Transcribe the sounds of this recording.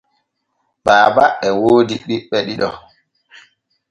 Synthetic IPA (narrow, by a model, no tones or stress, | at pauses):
baːbaɛwoːdiɗiɓːɛɗiɗɔ̰